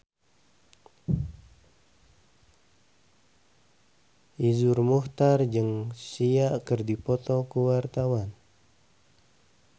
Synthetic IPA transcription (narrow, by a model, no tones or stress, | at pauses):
ʔizurmuht̪ard͡ʒɨŋsiaʔkərdipɔt̪ɔkəwart̪awan